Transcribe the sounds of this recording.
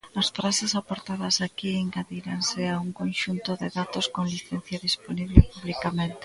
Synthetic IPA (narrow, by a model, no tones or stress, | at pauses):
ɐsfɾasesapoɾt̪aðɐsakiiŋɡaðiɾanseauŋkonʃunt̪oðeðat̪oskoŋliθen̟θjaðisponiβlepuβlikamẽnt̪e